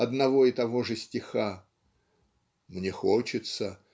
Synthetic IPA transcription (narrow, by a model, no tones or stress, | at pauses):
ɐd̪nɐvo̞ɪt̪ɐvo̞ʐɨsʲtʲɪxa | mnʲexot͡ɕɪt̪sə